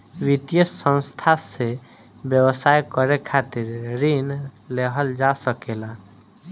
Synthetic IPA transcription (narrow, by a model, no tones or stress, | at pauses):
wit̪jəsːə̃nst̪ʰase | bjəwəsajkəɾekʰat̪iɾɾinleɦəld͡ʒasəkela